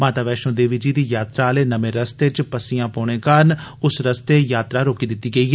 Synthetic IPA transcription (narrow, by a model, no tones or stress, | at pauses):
maːt̪aːʋɛːʃõːd̪eːʋiːd͡ʒiːd̪iːjaːt̪ɾaːleːnəmẽːɾəst̪et͡ʃpəsijãːpɔːɳ̃ẽːkəɾnʊsɾəst̪eːjaːt̪ɾaːɾoːkiːd̪ɪt̪ːiːɡəiːɦ